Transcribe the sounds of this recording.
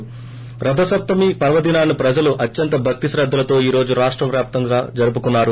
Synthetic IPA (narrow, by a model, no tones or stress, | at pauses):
pɾɐd̪ʱɐsɐp̚t̪ɐmipɐɾʋɐd̪inaːnipɾɐd͡ʒɐluʔɐtːjɐnt̪ɐbʱɐk̚t̪isɾɐd̪ːɐlɐt̪o̞ːiːɾo̞ːd͡ʒuɾaːʂʈɾɐmʋjaːp̚t̪ɐŋɡaːd͡ʒɐɾup̬ukunːaːɾu